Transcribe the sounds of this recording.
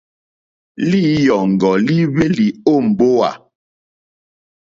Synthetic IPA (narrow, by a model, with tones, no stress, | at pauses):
li˦jɔ˨ŋ̩˨ɡɔ˨li˦βe˦li˨o˦˨m̩˨bo˦wa̰˨